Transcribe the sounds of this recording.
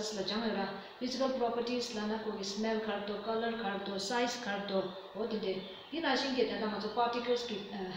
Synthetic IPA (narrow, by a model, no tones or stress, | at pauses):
slad͡ʒaŋjora | fizikəlprɔpəɹʈislanakʰoɡismɛlkʰaɾ̚t̪okaləɹkʰat̪osajskʰaɾt̪o | ɦot̪inde | j̪inaɕinkit̪and̪aŋat͡sʰopatikəlski